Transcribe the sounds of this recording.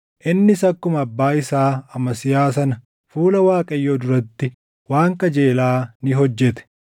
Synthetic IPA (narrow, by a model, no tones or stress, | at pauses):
ʔɪnːɪsɐkːʊmɐbːaːɪsaːɐmɐsɪjaːs̬ɐnɐ | fuːlɐwaːkʼɐjːoːd̪ʊɾɐt̪ːɪ | waːŋkɐd͡ʒe̞ːlaːnɪɦɔd͡ʒːɛt̪ɛ̥